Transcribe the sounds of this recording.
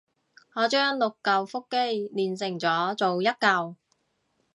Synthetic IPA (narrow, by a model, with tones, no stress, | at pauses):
ŋɔː˨˧t͡ʃœː˥ŋlʊ˨kːɐ˨wfʊ˥kːe˥jliː˨˩nsɪ˨˩ŋt͡sɔː˨˧˥t͡so˨wjɐ˥t̚kɐ˨˧w